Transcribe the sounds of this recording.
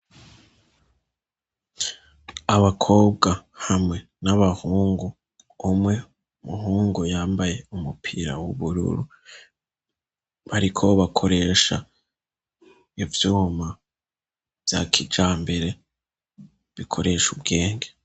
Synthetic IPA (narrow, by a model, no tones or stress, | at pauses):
aβakʰo̞ːb̚ɡahamŋe̞ | naβahuːŋɡuː | mwe̞ | muhuːŋɡujaːmbaje̞umupʰḭɾa̰wuβuɾṵɾu | βaɾikʰo̞βakʰo̞ɾe̞ʃa̰ | ivjuːma | vja̰kʰid͡ʒaːmbe̞ɾe̞ | βikʰoɾʔe̞ʃubɡe̞ːŋɡe